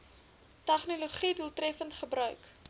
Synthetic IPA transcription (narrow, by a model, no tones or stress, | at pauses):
tæχnoloχidulˠtrɛfəntχəbrœɥk